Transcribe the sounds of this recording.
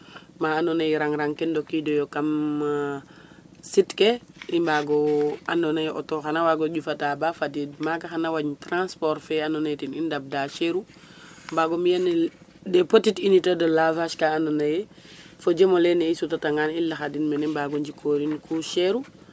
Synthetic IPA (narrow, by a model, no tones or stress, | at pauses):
maanonajiɾaŋɾaŋkendokidojokam | sitkeimbaɡɔandonajʔɔ̰toxanawaɡoɟufatabafadidmakaxanawaɲtɾãnspɔɾfɛanonajtinindab̚daʃeɾu | mbaɡomijan | depotitinitodolavaʃkaanonaje | fod͡ʒemoleneisutataŋanilːaxadinmɛnɛmbaɡoɲd͡ʒikʰoɾinkʰuʃeɾu